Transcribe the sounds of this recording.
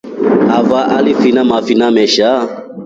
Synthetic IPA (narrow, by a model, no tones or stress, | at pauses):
avaʔalifinamafinamɛʃa